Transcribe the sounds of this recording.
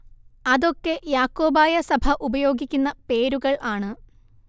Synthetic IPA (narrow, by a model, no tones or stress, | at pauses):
ɐðo̞kːe̞jaːkːo̞ːbaːjɐsɐbʱɐʔubɐjo̞ːɡikʲːunːɐpe̞ːɾuɣɐɭʔaːɳɨ